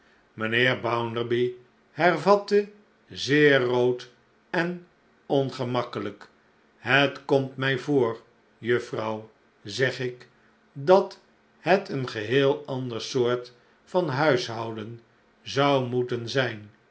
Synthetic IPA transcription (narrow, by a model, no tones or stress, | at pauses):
mənɪːɹbawndəɹbi | hɛrvɑtə | zɪːowt | ɛn | ɔnχəmɑkələk | ɦətkɔmtmɛjvoːɹ | jɵfrɑw | zɛχɪk | dɑt | hɛtənχəɦɪːlˠɑndəɹsʊːɹt | fɑnɦœɥsɦɑwdən | zɑwmutənzɛjn